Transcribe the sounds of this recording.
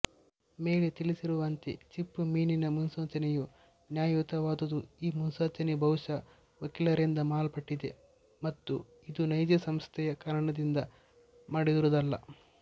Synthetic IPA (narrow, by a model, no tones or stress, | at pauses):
me̞ːlet̪ilisiɾuʋɐnt̪ḛt͡ʃipːumiːninɐmunsɐːt͡ʃɐneju | njaːjut̪ɐʋaːd̪ɐd̪uiːmunsɐːt͡ʃɐnebʱɐʋuʂɐ | ʋɐkilɐɾind̪ɐmaːlpɐʈːid̪e | mɐt̪ːu | id̪unɐjd͡ʒ̪jɐsɐmst̪ʰɛjɐkaːɾɐɳɐd̪ind̪ɐ | maːɽid̪uɾud̪ɐlːɐ̰